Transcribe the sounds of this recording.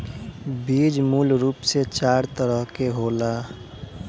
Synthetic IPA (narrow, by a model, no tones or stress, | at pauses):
biːd͡ʒmuːlɾuːpset͡ʃaːɾt̪əɾəɦkeɦoːla